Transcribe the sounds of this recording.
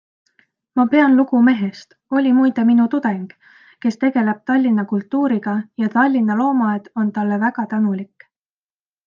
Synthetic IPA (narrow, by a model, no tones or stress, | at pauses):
mɑpe̞ɑnluɡume̞ɦe̞st̪ | o̞lʲimujd̪eminut̪ud̪̥e̞ŋɡ̥ | ke̞st̪e̞ɡ̥e̞le̞b̥̚t̪ɑlʲːinːɑkult̪ˑːuːɾiɡ̥ɑjɑt̪ɑlʲːinːɑlo̞ːmɑed̪̥o̞nt̪ɑlːe̞væɡ̥ɑt̪ænulikˑ